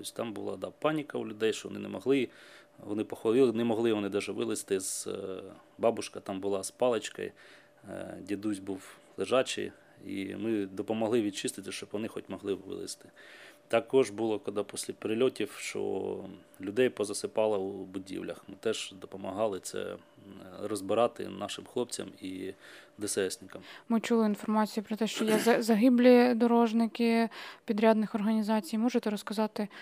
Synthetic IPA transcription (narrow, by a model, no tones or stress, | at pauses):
ɔsʲt̪ɑmbʊlˠɑ̰d̪ɑpɑnʲikɐulʲʊd̪ɛjʃt͡ʃɔʋɔ̰nɪ̰nɛ̰mɔɦlˠɪ | ʋɔ̰nɪpɔxʋɐlʲˠɪlˠɪnɛmɔɦlˠɪʋɔnɪd̪aʒɛʋɪlˠɪst̪ɪz̥ | bɑbʊʃkɐt̪ɑmbʊlˠɑspɑlˠet͡ʃkɐ̰j | dʲid̪uzʲbuwlˠeʒɑt͡ʃɪ̰j | ḭmɪd̪ɔpɔmɐɦlˠɪʋʲid̪̚t͡ʃɪst̪ɪt̪ʲɪʃt͡ʃɔbʋɔnɪxɔtʲmɔɦlˠɪʋɪ̰lˠɪ̰st̪ɪ̥t̪ɑkɔʒbulˠɔkɔd̪ɑpɔsʲlʲɐpeɾɪlʲɔtʲiwʃt͡ʃɔ̰ | lʲʊd̪ɛjpɔzɐsɪpɑlˠɐubʊdʲḭwlʲɐ̰xmɪt̪ɛʒ̥d̪ɔpɔmɐɦɑlˠɪt̪sɛ̰ | ɾɔzbɪɾɑt̪ɪ̰nɑʃɪmxlˠɔp̚t͡sʲɐ̰mid̪esɛsʲnʲɪkɐmmɪt͡ʃulˠɪinfɔrmɑt͡sʲijupɾɔt̪ɛʃt͡ʃɔjɛzɐzɐɦɪblʲid̪ɔɾɔʒnɪkɪpʲid̪ɾʲad̪nɪxɔrɦɐnʲizɑt͡sʲijmɔʒet̪ɛɾɔskɐzɑt̪ɪ